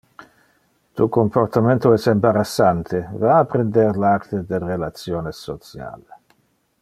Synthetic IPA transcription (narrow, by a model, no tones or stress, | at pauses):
t̪ukomport̪amẽnt̪oɛsembaɾasːant̪ʰevaːpɾend̪eɾlaɾt̪ed̪elrelat̪sjoːnesːot̪sja̰le